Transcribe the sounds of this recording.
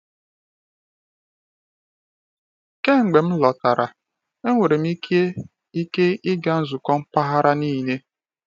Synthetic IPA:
ke˦ŋ̩˨ɡ͡be˨m̩˦lɔ˨ta˨ɾʔa˨ | e˦ŋʷe˨ɾe˨m̩˦i˦ke˦ | i˦ke˦ʔɪ˦ɡa˦n̩˦zu˨kɔ˦m̩˦pa˦ɦa˦ɾa˦niː˦˨ne˦

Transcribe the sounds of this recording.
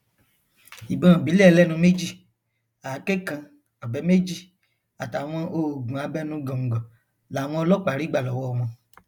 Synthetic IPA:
i˨bɔ̃˨bi˨˦le˦ɛ˨˧˦lɛ˦nũ˧˦me˦d͡ʒi˦˨ | aː˨˦kɛ˦kã˧ | a˨bɛ˨˦me˦d͡ʒi˦˨ | a˨ta˨w̃ɔ̃˧ʔo˧˨ɡũ˨a˨˧˦bɛ˦nũ˧˦ɡɔ̃˨ŋ̩˨ɡɔ̃˨ | la˨w̃ɔ̃˧ɔ˧lɔ˦k͡pa˨ɾi˦ɡ͡ba˦˨lɔ˨wɔ˧ɔ˧mɔ̃˧

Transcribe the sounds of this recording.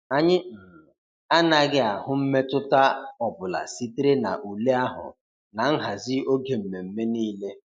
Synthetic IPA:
a˦ɲɪ˦˨ | a˦na˦ɡɪ˦a˨ɦʊ˦m̩˦me˦tʊ˦ta˦ɔ˨bʊ˨la̰˨si˦ti˦ɾe˦na̰˨ʔu˨le˦a˦ɦʊ̰˨ | na˨ŋ̩˦ɦa˨zɪ˦o˦ɡe˨m̩˨me˨m̩˦me˦niː˦le˦

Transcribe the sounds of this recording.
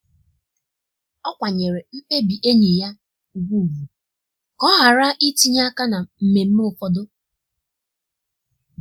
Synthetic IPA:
ɔ˦kʷa˨ɲe˨ɾe˨m̩˦pe˦bi˨ʔe˦ɲe˨ja˦ | u˨ɡʷu˦˨ɡu˨ | kɔ˦ɦa˨ɾa˦ʔi˦ti˦ɲa˦ka˦na˨m̩˨me˨m̩˦m˦o˨fɔ˨do˦

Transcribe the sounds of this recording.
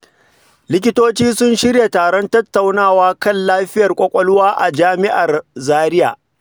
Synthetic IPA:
lɪ˦k̬ʲɪ˦toː˦t͡ʃiː˦sʊ˦nʃɪ˦rja˨taː˨ɽɔ˦ntɐ˦tːa˨wnaː˦˨waː˦kɐ˦˨nlaː˦ɸɪ˦jɐ˨rkʷʼɔ˦kʷʼɔ˦lʊ˦waː˦ʔa̰˨d͡ʒaː˦mɪ˦ʔa˨rzaː˦ɾɪ˦ja̰ː˨

